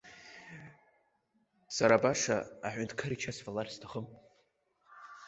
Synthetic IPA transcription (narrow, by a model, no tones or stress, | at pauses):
saɾabaʂa̰aħʷᶣʊntʰkʰaɾit͡ʃʰasfalarstʰaχəm